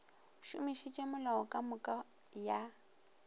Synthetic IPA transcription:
ʃʊmiʃit͡ʃʼɛmʊlaɔkʼamʊkʼa | ja

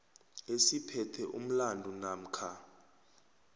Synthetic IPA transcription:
esipʰɛtʰɛʔṵm̩landʱunam̩kʰa

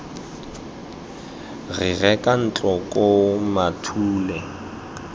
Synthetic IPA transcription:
ɣɪɣɛkʼan̩t͡ɬʼɔkʼomatʰuːlɛ

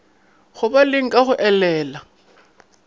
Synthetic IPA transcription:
ɣʊbalɪŋ̩kʼaχʊʔɛlɛːla

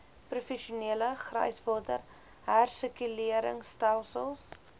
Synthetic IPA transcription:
prufɛʃuniələχrə̰jsvɑːdər | ɦærsəkyliəɾə̰ŋstælˠsəlˠs

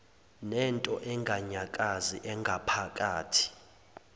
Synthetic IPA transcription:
nɛntʼɔʔɛŋɡʱaɲakʼaziʔɛŋɡʱapʰakʼaːtʰi̥

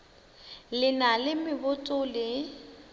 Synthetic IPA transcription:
lɪnalɪmɪbʊtʼʊlɪ

